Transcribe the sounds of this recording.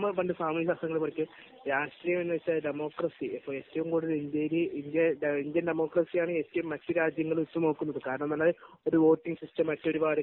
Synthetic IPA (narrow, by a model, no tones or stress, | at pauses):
mɨpɐɳɖɨsaːmɐisaːst̪ɐŋːɐɭmɐɳikʲːu | ɾaːʂʈriːjɐme̞nːɨʋɐt͡ɕːaɖemo̞ːkrɐsiɐpːoːɭe̞ːtːɐʋumkoːɽilind̪jɐɾiind̪jɐnind̪jɐnɖemo̞ːkrɐsijaːɳɨeːtːɐʋumːɐtːɨɾaːd͡ʑjɐŋːɐɭmut̪ːumno̞ːkːunːɐðɨkaːɾɐɳɐmnɐlːɐð | o̞ɾuʋo̞ːtːiŋɡsistɐmːɐtːoɽiʋaːɽɨ